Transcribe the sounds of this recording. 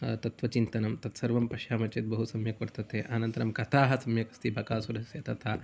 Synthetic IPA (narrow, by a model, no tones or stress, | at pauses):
t̪ɐt̪ʋɐt͡ʃint̪ɐnɐmt̪ɐt̪sɐɾʋɐmpɐʃjaːmɐt͡ʃet̪̚bɐɦusɐmjɐkɐɾt̪ɐt̪eːʔɐnɐnt̪ɐɾɐmkɐt̪ʰaːɦɐ̆sɐmjɐkɐ̥st̪ibʱɐkaːsuɾɐsjɐt̪ɐt̪ʰaː